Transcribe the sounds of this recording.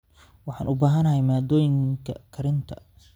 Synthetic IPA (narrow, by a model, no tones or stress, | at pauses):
wɑħɑ̰ːnʔʊbaːɦɐnɐhɛjmaːd̪ɔːjɪŋkʰɐkʰɐɾɪnt̪ʰɐ